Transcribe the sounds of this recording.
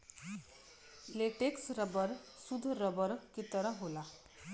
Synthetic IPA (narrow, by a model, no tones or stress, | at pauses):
leʈeksɾəbəɾsud̪ʱɾəbəɾkit̪əɾʌɦola